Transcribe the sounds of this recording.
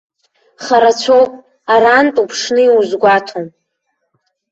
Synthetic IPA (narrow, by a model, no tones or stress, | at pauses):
χaɾat͡ɕʷʰowpʼ | aɾantʼupʰʂnɨiwuzɡʷatʰom